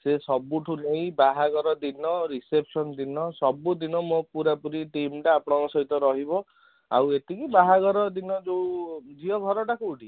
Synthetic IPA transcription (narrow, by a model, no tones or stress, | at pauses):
sesɔbuʈʰunej̃baɦaɡɔɾɔd̪inɔɾisepʰsɔnd̪inɔsɔbud̪inɔmopuɾapuɾiʈimʈaːpɔɽ̃ɔkɔsɔɦit̪ɔɾɔɦibɔ | a̰wet̪ikibaɦaɡɔɾɔd̪inɔd͡ʒewd͡ʒiɔɡʱɔɾɔʈakuːɖi